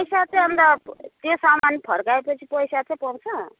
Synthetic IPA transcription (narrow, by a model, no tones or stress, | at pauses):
pʌjsat͡sej̃ʌnd̪ʌt̪josamanpʰʌɾkaepʌt͡sʰi̥pʌjsat͡sẽpʌwt͡sʰʌ